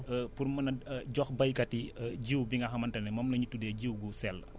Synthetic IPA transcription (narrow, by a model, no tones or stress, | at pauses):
purmɐnɐɟɔxbɐjkɐtiɟiwbiŋɡɐxɐmɐntɐnɛmɐmlɐɲutudɛɟiwɡusɛl